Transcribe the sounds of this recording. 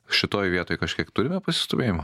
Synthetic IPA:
ʃʲɪt̪oːjʋʲiɛt̪oːjkɐʃʲkʲiɛkt̪ʊɾʲɪmʲɛpɐsʲɪ̥st̪oʋʲeːjɪmɐ

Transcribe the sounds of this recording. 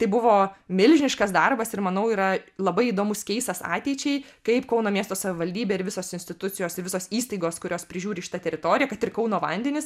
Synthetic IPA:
t̪ɐɪbʊʋoːmʲɪlʲʒʲɪnʲɪʃkɐsd̪ɐrbɐsɪɾmɐnɐʊiːɾɐlˠɐbɐɪiːd̪oːmʊskʲɛɪst̪ɐsɑ̰ːt̪ʲɛɪt͡ʃʲɛɪ | kɐɪpkɐʊnoːmʲiɛst̪oːsɐʋʲɪʋɐlʲdʲiːbʲeːɪɾʋʲɪsoːsɪnʲsʲt̪ʲɪt̪ʊt̪t͡sʲɪjoːsɪɾʋʲɪsoːsiːst̪ɐɪɡoːskʊɾʲoːspʲɾʲɪʒʲuːɾʲɪʃʲɪt̪ɐt̪ʲɛɾʲɪt̪oːɾʲɪjɛkɐt̪ɪrkɐʊnoːʋɐ̰nʲd̪ʲɛnʲɪs

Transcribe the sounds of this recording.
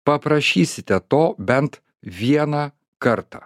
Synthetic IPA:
pɐpɾɐʃʲiːsʲɪt̪ʲɛt̪oːbʲɛnt̪ | ʋʲiɛnɑː | kɐɾt̪ɑ̰ː

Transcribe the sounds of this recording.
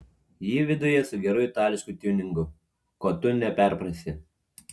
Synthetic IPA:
jiːʋʲɪd̪ʊjɛsʊɡʲɛɾʊjɪt̪ɑːlʲɪʃkut̪ʲunʲɪŋɡʊ | koːt̪ʊnʲɛpʲɛˑɾpɾɐsʲɪ

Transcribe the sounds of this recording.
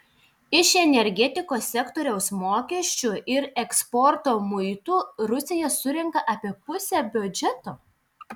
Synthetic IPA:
ɪʃɛnʲɛɾʲɡʲɛt̪ʲɪkoːsʲɛkt̪ɔːɾʲɛʊsmoːkʲɛʃʲt͡ʃʲʊʔɪɾɛkspɔɾt̪oːmʊɪt̪uːɾʊsʲejɛsʊɾʲɛŋkɐʔɐpʲiɛpʊsʲɛbʲʊd͡ʒʲɛt̪oː

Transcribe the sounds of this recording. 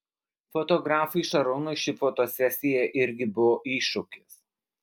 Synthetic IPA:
fot̪ɔɡɾɑːfɐɪʃɐɾɔnʊʃʲɪfoːt̪oːsʲɛsʲɪjɛʔɪɾʲɡʲɪbʊʋoːʔiːʃʊkʲɪs

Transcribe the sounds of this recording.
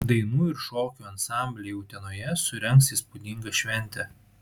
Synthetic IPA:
d̪ɐɪnuːɪɾʃoːkʲuːɐnsɑˑmʲbʲlʲejɛʊt̪ʲɛnoːjɛsʊɾʲɛŋksiːspʊd̪ʲɪŋɡɐʃʲʋʲɛnʲt̪ʲɛ

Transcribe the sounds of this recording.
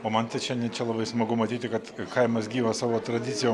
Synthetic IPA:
oːmɐnt̪ʲɪt͡ʃʲɛnʲɪt͡ʃʲɛlˠɐbɐɪsmɐɡʊmɐt̪ʲiːt̪ʲɪkɐt̪kɐɪmɐsɡʲiːʋɐsɑːʋoːt̪ɾɐd̪ʲɪt̪sʲɪjoː

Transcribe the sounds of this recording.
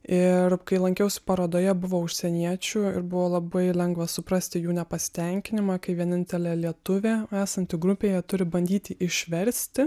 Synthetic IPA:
ɪɾkɐɪlˠɐŋʲkʲɛʊsʲɪ̥pɐɾoːd̪oːjɛbʊʋoːʊʃʲsʲɛnʲiɛt͡ʃʲuːɪ̰ɾbʊʋoːlˠɐbɐɪlʲɛŋɡʋɐsʊpɾɐsʲt̪ʲɪjuːnʲɛpɐsʲɪ̥t̪ʲɛŋʲkʲɪnʲɪmɑːkɐɪʋʲiɛnʲɪnʲt̪ʲɛlʲeːlʲiɛt̪ʊʋʲeːæːsɐnʲt̪ʲɪɡɾʊpʲeːjɛt̪ʊɾʲɪbɐnʲd̪ʲiːt̪ʲɪʔɪʃʲʋʲɛɾʲsʲt̪ʲɪ

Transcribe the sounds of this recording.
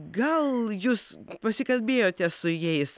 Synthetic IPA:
ɡɐlˠjuːs | pɐsʲɪkɐlʲbʲeːjoːt̪ʲɛsʊjɛɪs

